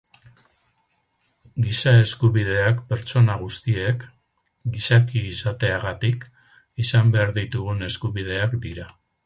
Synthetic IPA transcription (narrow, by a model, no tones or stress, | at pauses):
ɡisae̞skuβiðe̞akpe̞ɾt͡so̞naɣ̞ust̪ie̞k | ɡisakiːsat̪e̞aɣat̪ik | isambe̞aɾðit̪uɣune̞skuβið̞e̞akd̪iɾa